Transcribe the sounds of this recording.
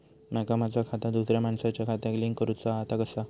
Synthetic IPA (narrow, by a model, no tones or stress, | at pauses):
makamad͡zakʰat̪ad̪usɾjamaɳsat͡ɕjakʰat̪aɡliŋkəɾut͡saat̪aɡəsa